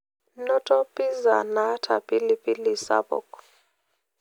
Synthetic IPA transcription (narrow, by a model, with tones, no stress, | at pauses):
nɔ˦tʼɔ˦pʼi˦za̰˨na˦tʰa˨pʼi˦li˦pʼi˦li˨sa̰˦bɔ̰˨k